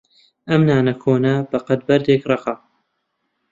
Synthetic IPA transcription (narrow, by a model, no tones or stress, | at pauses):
ʔɐmnaːnɐkʰoːnɐbɐqɐd̪̚bɐɾd̪eːkrˤɑqɑ